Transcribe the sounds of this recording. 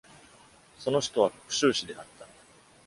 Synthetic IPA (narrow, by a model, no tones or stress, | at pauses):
so̞no̞çi̥t̪o̞βako̥kɯ̟̥ɕɨːɕid̪e̞ʔat̪ːa